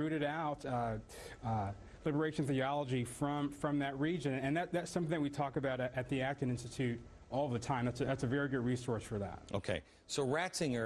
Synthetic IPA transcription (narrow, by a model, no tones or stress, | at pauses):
ʉɾɨɾaʊt | lɪbə˞eɪʃnθiɑlˠəd͡ʒifɹʌ̃mfɹʌ̃mðɨt̚ɹid͡ʒɨ̃nɨ̃nɨ̃nðɨt̪̚ðætsʌ̃mθɪ̃ŋɨtwitʰɔkɨbaʊɾɨʔɨt̪̚ðiæk̚tɨ̃nɪ̃nstɨtʰʉɾ | ɔlˠðɨtʰãɪ̃mðætsɨðætsɨvɛɹiɡʊd̚ɹisɔɹsfə˞ðæ̰t̚ʔo̰ʊkʰeɪ | soʊɹætsɪ̃ŋə